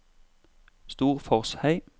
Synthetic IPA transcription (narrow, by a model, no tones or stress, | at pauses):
st̪uːʁfɔʁshæɪ